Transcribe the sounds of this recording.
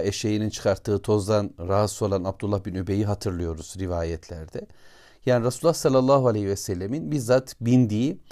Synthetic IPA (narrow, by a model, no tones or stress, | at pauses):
eʃejinint͡ʃʰɯ̥kʰaɾt̪ʰːɯːt̪ʰo̞zd̪anɾaɦasuo̞lˠanab̚d̪ulˠːahbinøbe̞jiɦat̪ʰɯɾlˠɯjo̞ɾuz̥ɾivaːjɛt̪ʰlʲæ̰ɾd̪ɛ | jaːniɾasulːˠasalʲːalˠːaːɦualʲehivɛsɛlʲːeminbiɾzat̪bind̪iː